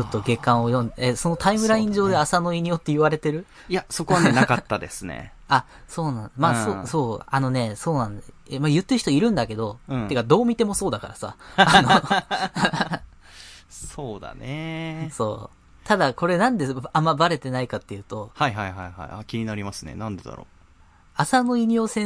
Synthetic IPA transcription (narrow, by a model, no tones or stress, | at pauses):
t͡ɕo̞t̪ːo̞ɡe̞kːãɰ̃o̞jõ̞nd̪eso̞no̞t̪aimɯ̟ɾaĩɲ̟d͡ʑoːd̪e̞asano̞iɲ̟ijo̞t̪ːe̞iβaɾe̞t̪e̞ɾɯ̟ | jasoko̞βanenakat̪ːad̪e̞sɨnḛ | a | so̞ːnãnd̪emasoso̞ːano̞ne̞so̞ːnãnd̪emajɯ̟t̪ːeɯçit̪oiɾɯ̟̃nd̪ake̞d̪o̞ɯ̃t̪ːekad̪o̞ːmʲit̪e̞mo̞so̞ːd̪akaɾasa̰ano | soːd̪a̰neso̞ː | t̪ad̪ako̞ɾe̞nãnd̪eamːabaɾe̞t̪e̞naikat̪ːe̞jɯ̟ːt̪o̞haiɦaiɦaiha̰iakʲiɲ̟inaɾʲimasɨne̞̰nãnd̪e̞d̪a̰ɾo̰ː | asano̞iɲ̟io̞ːsẽ̞